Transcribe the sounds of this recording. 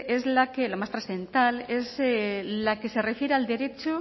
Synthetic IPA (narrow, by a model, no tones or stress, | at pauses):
ezlakelamast̪ɾasθent̪alezelake̞sere̞fjeɾeald̪e̞ɾe̞t͡ʃu